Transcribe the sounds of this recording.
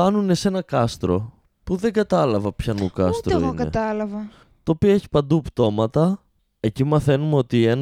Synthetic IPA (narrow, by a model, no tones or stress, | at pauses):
ɐnune̞se̞nɐkɐst̪ɾo̞̰ | puðe̞ŋɡɐt̪ɐlɐvɐpçɐnukɐsst̪ɾo̰ḭonkɐḛt̪ɐlɐvɐ | t̪oːpioe̞çi̥pɐnd̪upt̪o̞mɐt̪ɐ | e̞cimɐθe̞numeo̞t̪ie̞n